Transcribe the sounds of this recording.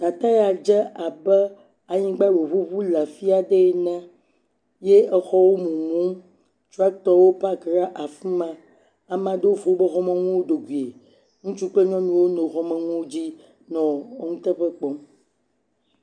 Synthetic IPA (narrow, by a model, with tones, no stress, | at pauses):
t̪a˨t̪a˦ja˨d͡ʒɛ˦a˨bɛ˦ | a˨ɲĩ˦ɡ͡ba˦wo˨βu˦βu˦lɛ˨fi˦a˨ɖɛ˦˨nɛ̃˦ | je˦ɛ˦xɔ˦wo˦mũ˨mũ˦ | t͡ʃu˦a˦t̪ɔ˦wo˦pa˦kɾa˦ʔa˨fũ˦mã˨ | a˨mã˨d̪o˦wo˦vo˨wo˦be˦xɔ˦mɛ̃˨ŋũ˦wo˦ɖo˨ɡʷi˨e˨ | ŋũ˦t͡ʃu˦k͡ple˦ɲɔ̃˦mĩ˨wo˦nõ˨xɔ˨mɛ̃˨ŋũ˦wo˦d͡ʑi˦ | nɔ̃˨˦ŋũ˦t̪ɛ˦ɸɛ˦k͡pɔ˨˦m